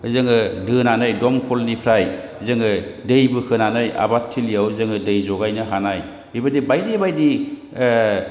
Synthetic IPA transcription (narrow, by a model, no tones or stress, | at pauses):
zɯŋɯdɯnanɯjdɔmkʰɔlnipʰɾaj | zɯŋɯdɯjbɯkʰɯnanɯja̰batʰːiliawzɯŋɯdɯjzɔɡajnɯɦanaj | bibadibajdibajdi